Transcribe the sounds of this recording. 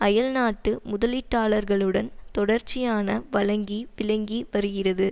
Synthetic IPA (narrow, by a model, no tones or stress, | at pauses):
ɐjɐlnaːʈːɯmʊðɐlɪʈːaːɭɐɾɣɐɭɯɽɐnt̪ɔɽɐɾt͡ʃːɪjaːnɐʋɐlɐŋɡiʋɪlɐŋɡiʋɐɾɯɣɪrɐðɯ